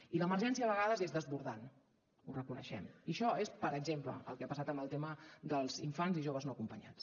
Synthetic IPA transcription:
iləmərʒɛnsiəβəɣaðəzezðəzβuɾðan | urəkunə̰ʃɛ̰miəʃɔespəɾəɡzemplə̰ə̰lˠkeapəsat̪əmbəlˠt̪eməðəlˠziɱfanziʒoβəznoəkumpəɲa̰t͡s

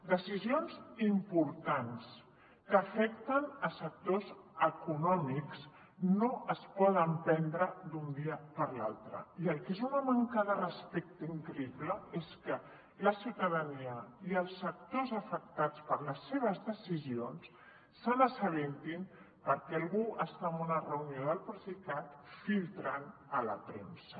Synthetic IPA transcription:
d̪əsizionzimpuɾt̪ans | kəːfɛk̚t̪ənəsək̚t̪ozəkunɔmiks | noəspɔð̞əmpɛnd̪ɾəd̪und̪iəpəɾla̰lˠt̪ɾə̰iəlˠkezunəmaŋkəðərəspɛk̚t̪iŋkɾəipləeskə | ləsiwt̪əðəniəiəlˠsːək̚t̪ozəfək̚t̪at͡spəɾləsːeβ̞əzðəsizionsː | ənəsəβent̪im | pəɾkɛəlˠɣuəst̪aəmbunərəunioðəlˠpɾəsikat̪filˠt̪ɾanələpɾḛnsə

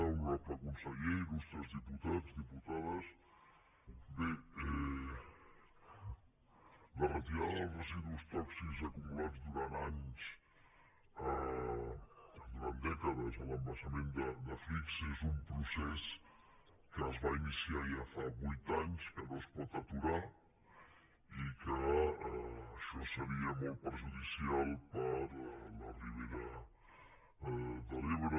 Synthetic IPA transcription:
əɾɔpəkunsəʎeiðust̪ɾəzðiput̪ad͡zdiput̪aðəs | beɛ | lərət̪̬iɾaðəlˠzrəziðust̪ɔksizəkumulad͡zd̪uɾanaɲs | ə | d̪uɾand̪ɛkəðəzələmbəsəmend̪əd̪əfikzezumpɾusɛs | kəːzβainisiaʒafaβujt̪aɲskənoəspɔt̪ət̪uɾa | ikəəəʃɔsəɾiəmɔlˠt̪̚pəɾʒuðisialˠpəɾləriβ̞eɾə | ðəleβɾə

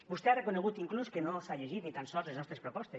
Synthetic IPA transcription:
bust̪earekoneɣ̞ut̪iŋkluskenosaʎeʒit̪nit̪ansɔlzleznɔst̪ɾespɾopɔst̪e

